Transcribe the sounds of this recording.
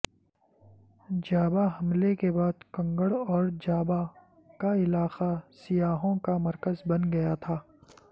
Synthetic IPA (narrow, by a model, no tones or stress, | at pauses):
d͡ʒaːbaɦɐmlekebaːd̪kɐ̃ŋɡəɽɔːɾd͡ʒaːba | kaɪlaːqasɪjaːɦõkamɐɾkəzbɐnɡɐjat̪ʰaː